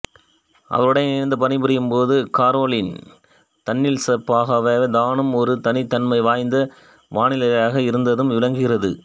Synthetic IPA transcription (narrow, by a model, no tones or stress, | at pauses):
ʔɐ̰ʋɐɾɯɽɐjnɪɐnd̪ɐpɐnɪbɯɾɪjɯmpoːðɯkaːɾoːlɪn | t̪ɐnːɪlsɐpːaːɣɐʋɐd̪aːnɯmɔɾɯt̪ɐnɪt̪ːɐnmɐɪʋaːjnd̪ɐ | ʋaːɳɪlɐjaːɣɐɪɾɯnd̪ɐðɯmʋɪlɐŋɡɯɣɪrɐðɯ